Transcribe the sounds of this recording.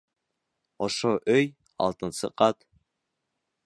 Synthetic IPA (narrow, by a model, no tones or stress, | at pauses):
oʃoʔøj | ɑ̰lˠt̪ɨnsɨqɑt̪